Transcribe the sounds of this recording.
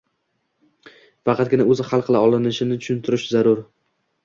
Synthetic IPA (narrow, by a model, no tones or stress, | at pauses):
fɑqʰɑt̪̚ɡʲɪnaɵzɪχɑlˠqʰɨlˠaɒlˠɪnɪʃɪnɪt͡ʃ̪ʰʊ̥ʃʊnt̪ʰɪɾɪʃzaɾʊɾ